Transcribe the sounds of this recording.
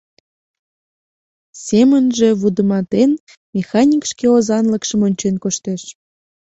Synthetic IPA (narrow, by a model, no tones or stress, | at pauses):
semənʒeβud̪əmɑt̪en | mʲexɑnʲikʃkeozɑnləkʃəmonʲt͡ɕenkoʃt̪eʃ